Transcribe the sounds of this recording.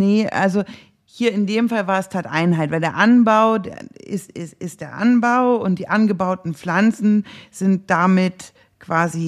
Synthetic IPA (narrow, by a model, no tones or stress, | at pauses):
nəʔa̰lzo | hiːɐɪndeːmfalvaːɐɛstʰaːtʔaɪnɦaɪtv̥aɪldeːɐʔanbaʊdḛːɐɪsɪsɪst̚d̥eːɐʔa̰nbaʊʊnt̚d̥iːʔanɡəbaʊtn̩flant͡sn̩z̥ɪnt̚d̥amɪt | kv̥aːzi